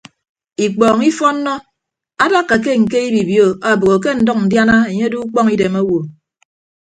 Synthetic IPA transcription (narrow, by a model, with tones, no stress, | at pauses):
i˨k͡pɔː˨ŋi˦fɔ˦n̩ː˦ɔ˦ | a˦da˦kːa˨k̬e˦ŋ̩˨ke˦i˦bi˨bjo˦a˨bo˨ɣo˨k̬e˦n̩˨dɔ˦k̚n̩˨dja˦na˦e˨ɲe˦du˦k͡pɔ˦ŋi˦de˨ma˦wo˨